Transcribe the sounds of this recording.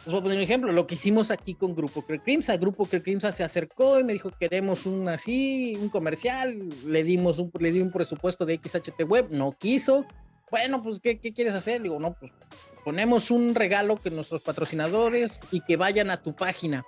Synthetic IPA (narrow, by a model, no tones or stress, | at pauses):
esβoaponeɾunexemplo̞lo̞keisimo̞sakiko̞ŋɡɾupokɾekɾimsaɣɾupokɾekɾimsasease̞ɾko̞ime̞ðixo̞ke̞ɾe̞mo̞sunasiuŋko̞me̞ɾsjalːeðimos̬umle̞ðiumpɾe̞supwe̞st̪o̞ðeekisat͡ʃet̪eɣwe̞βno̞kiso̞ | bwe̞no̞p̬weskeke̞kje̞ɾesase̞ɾd̪iɣo̞no̞pwes | po̞ne̞mo̞sunre̞ɣalo̞kenwe̞st̪ɾo̞spat̪ɾo̞sinað̞o̞ɾe̞sike̞βaʝanat̪upaxina